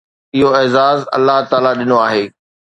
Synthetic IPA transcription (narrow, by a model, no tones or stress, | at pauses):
ɪɦoɪːzaːzɐ̰lːaɦt̪aːlaɗɪnoaːɦeː